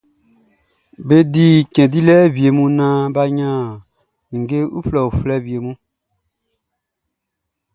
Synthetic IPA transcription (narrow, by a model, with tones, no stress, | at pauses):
be˦di˦kɛ̃˨di˦lɛ˦bi˨e˨mũ˧nã˧˦ba˧ɲã˦˨ | ŋ̩˨ɡe˦ṵ˦flɛ˨u˨flɛ˦bi˨e˨mũ˦